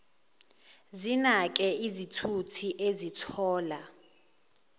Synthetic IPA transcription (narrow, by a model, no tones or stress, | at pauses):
zinak̬ʼɛizitʰutʰiʔezitʰɔːla